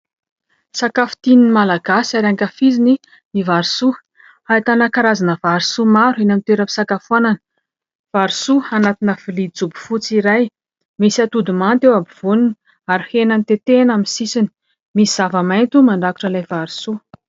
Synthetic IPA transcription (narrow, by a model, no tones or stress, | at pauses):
sakafu̥t̪ininimalaɡasaɾiaŋkafizini | nivaɾisu | hait̪anakaɾazanəvaɾisumaɾuinamit̪eɾəpi̥sakafuananə | v̥aɾisuanat̪inəv̥ilid͡zubu̥fut͡siɾaj | misiat̪ud̪umant̪ewabiv̥unun | aɾihenanit̪et̪enaminsisini̥ | misiz̥avəmajnt̪umaɳɖ͡ʐaku̥ʈ͡ʂəlajvaɾisu